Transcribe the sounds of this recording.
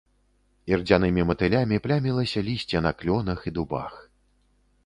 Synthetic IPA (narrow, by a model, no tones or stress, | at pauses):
ird͡zʲanɨmʲimɐt̪ɨlʲamʲiplʲamʲilˠɐsʲɐlʲisʲt͡sʲɛnɐklʲɔnɐxid̪uba̰x